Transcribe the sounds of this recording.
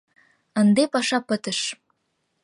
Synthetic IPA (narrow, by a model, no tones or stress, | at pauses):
ənd̪epɑʃɑpət̪əʃ